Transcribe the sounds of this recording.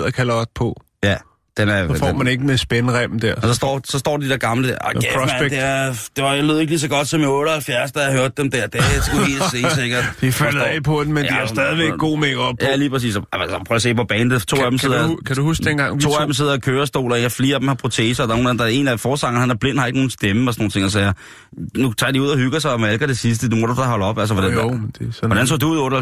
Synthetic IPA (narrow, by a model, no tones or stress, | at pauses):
ð̰ˠɐkʰælɐɒd̥̚pʰɔ | jæ | d̥enæɐfmæne̝ɡ̥əmesb̥enəʁɛb̥m̩d̥æɐ̰sɒsd̥ɒ̰ːsɒ̽sd̥ɔ̰ːd̥ed̥id̥eæɐ̰ɡ̥ɑ̈mləd̥æɐ̰ɑ̥mæd̥eæd̥e̝ʋɑ̈jaløðˠe̝ɡ̥liːs̬ɒ̽ɡ̥ɒ̽d̥sɒ̽mɔ̽ːɾəhælfjæɐsd̥ɑjɑɦøɐd̥̚ːemd̥æɐ̰d̥esɡ̥uḭsḛseɡ̥ɐd̥d̥ifælð̩ˠɛpʰɔd̩mendiæsd̥ɛːðˠiʋeɡɡ̥o̝̰ːmeɡ̥ɒb̥̚ʰjæliːpʰʁɛs̬ḭːsɒæpʰːˠse̝̰ːpʰɒ̽b̥ɛːndet͡sʰo̰ːædemse̝̰kʰæd̥uhusɡ̥d̥enɡ̥ɑ̈ŋt͡sʰo̝̰ːædemse̝ð̞̰ˠɐkʰøːɐsd̥o̝̰ːlɐjɑfliːɐd̥emhɑ̈pʰʁo̝t͡sʰḛːsɐdɑ̈no̝ːnæm̩d̥ɑɐe̝̰næfɒːsɑ̈ŋɐnhænæɐble̝n̰hɑ̈eɡəno̝ːn̩sd̥eməɒsɔno̝ːn̩t͡sʰe̝ŋɒsɛɐ | nut͡sʰɑ̰diuð̰ˠɐhyɡ̥ɐs̬ɑ̈ɪɒmælɡ̥ɐɾ̥esis̬d̥əd̥umoɾ̥ud̥ɑɦɒ̽ləɒ̽b̥æls̬ɐʋɒd̥ænd̥eʋɒɾænsɔ̰ːd̥uuð̰ˠɔ̽ːɾə